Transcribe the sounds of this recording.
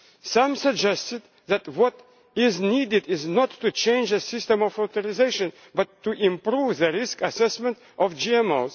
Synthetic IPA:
sʌ̃msəɡ̚d͡ʒɛstɨd̪̚ | ðæt̚wɔt | ɪznidɪdɪznɔtʰːut͡ʃʰẽɪ̃nd͡ʒɨsɪstə̃mɔvot̪əɹɪzeɪʃɨ̃n | bʌtʰːuʔɪ̃mpɾuvðəɹɪskəsɛsmɛ̃nt | ʔɔvd͡ʒiɛmoz̥

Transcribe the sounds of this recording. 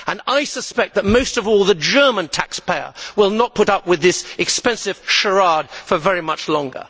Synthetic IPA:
ə̃naɪsəspɛk̪̚ðət̚moʊstʌvɔlˠðəd͡ʒɜ˞mə̃ntʰækspʰeɪə̰˞wɪlˠnət̚pʰʊɾʌp̚wɨðɪsɨkspɛ̃nsɨv̥ʃə˞ɑd̥̚fə˞vɛɹimʌt͡ʃlɔ̃ŋɡə̰˞

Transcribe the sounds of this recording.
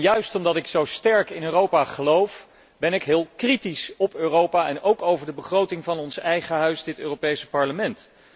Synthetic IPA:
jœɥstɔmdɑtɪksowstɛɹkɪnøːrowpaχəlowf | bɛnɪkɦɪːlˠkritisɔpøːrowpaɛnowkowvəɹdəbəχrowtɪŋvɑnɔnsɛjχəɦœɥsdɪtø̰ːropejsə̥pɑɹləmɛnt

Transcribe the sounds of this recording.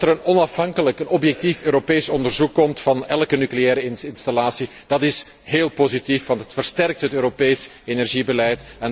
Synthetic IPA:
təɾənɔnɑfɦɑŋkələkənɔbjɛk̚tiføːɾopeːsɔndərzukːɔmtfɑnɛlˠkənykleɛːɾəɪnɪnstalaːsi | d̥ɑtɪs | ɦeːlˠpozitifʋɑntɦətfərstɛrk̚tɦətøːɾopeːs | enɛrʒibəlɛjtɛn

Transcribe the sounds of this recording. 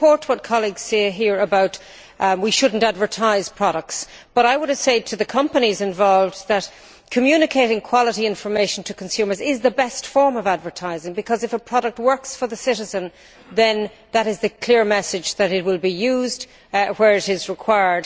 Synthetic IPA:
pʰɔɹt̚wʌt̚kʰɑlˠiɡz̥seɪɦiɹəbaʊt | wiʃʊdⁿn̩tædvə˞tʰaɪz̥pʰɹ̥ɑɾək̚ts | b̥ʌɾaɪwʊɾəv̥seɪtʰɨðɨkʰʌ̃mpənizɨ̃ɱvɑlˠvðət | kʰɨmjʉnɨkʰeɪɾɪ̃ŋkʰw̥ɑlˠəɾiɪ̃nɱfə˞meɪʃn̩tʰɨkʰə̃n̩sʉ̃mə˞zɪzðəbɛstfɔɹmʌvædvə˞tʰaɪzɪ̃ŋbɨkʰʌzɨfəpʰɹ̥ɑɾək̚t̚wɜ˞ksfə˞ðəsɪɾɨzə̃n | ðɨ̃n | ðəɾɨzðɨkʰl̥ɪɹmɛsɨd͡ʒðɨɾɨt̚wɪlˠbijʉːzd | wə˞ɨɾɪzɹɨkʰw̥aɪə˞d̥

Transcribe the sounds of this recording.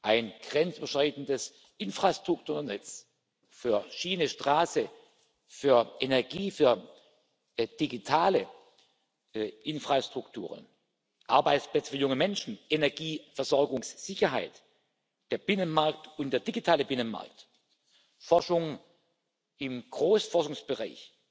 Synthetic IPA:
ʔaɪnɡ̥ʁɛnt͡syːbɐʃtʁ̥aɪtn̩dəs | ʔɪnfʁ̥astʁ̥ʊktʰuːɐnɛt͡s | fyːɐʃiːnəʃtʁ̥aːsə | fyːɐʔenɛɐɡiːfyːɐ | d̥iɡitʰaːlə | ʔɪnfʁ̥astʁ̥ʊktʰṵːʁə̰n | ʔaɐbaɪt͡splɛt͡sə̥fyɐjʊŋəmɛnʃn̩ʔenɛɐɡiːfɛɐz̥ɔɐɡʊŋsz̥ɪçɐɦa̰ɪt | d̥eːɐb̥ɪnənmaɐk̚tʊnt̚d̥eːɐd̥iɡitʰaːləbɪnənma̰ɐk̚t | fɔɐʃʊŋ | ɪmɡ̥ʁoːsfɔɐʃʊŋsb̥əʁa̰ɪç

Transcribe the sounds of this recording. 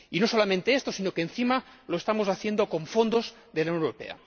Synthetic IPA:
ino̞so̞lamẽnt̪eest̪o̞sino̞kenθimaloest̪amo̞saθje̞nd̪o̞ko̞ɱfo̞nd̪oz | ðelawɲnwɾope̞̰a̰

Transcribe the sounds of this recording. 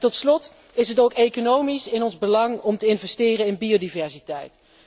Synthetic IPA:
tɔtslɔt | ɪsɦətowkejkonowmisɪnɔnzbəlɑŋɔmtəɪnvɛstɪːrəɪnbiowdivɛɹsitɛ̰jt

